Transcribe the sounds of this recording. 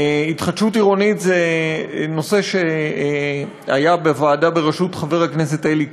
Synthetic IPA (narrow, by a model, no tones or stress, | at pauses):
itχadʃutiʁo̞nitzeno̞se̞ʃe̞ | ajabevaːdabe̞ʁeʃutχave̞ʁhakne̞s̬e̞taelik